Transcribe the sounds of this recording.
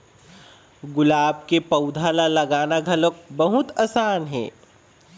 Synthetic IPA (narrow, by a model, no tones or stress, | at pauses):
ɡʊlaːb̚kepɐʊd̪ʱalalɐɡaːnaɡʱɐlok̚bɐɦʊt̪aːsaːnɦɛ̰ː